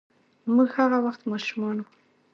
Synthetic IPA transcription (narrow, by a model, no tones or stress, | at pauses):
muɡhaɣawaxt̪mɑʃumɑnu